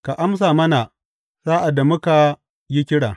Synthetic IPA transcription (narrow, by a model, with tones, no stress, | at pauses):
ka˨ʔa˦ms̬aː˨mɐ˦na˨ | z̥aː˦ʔa˨da˨mʊ˦ka˨ | ji˦kʲɪ˦ɽaː˨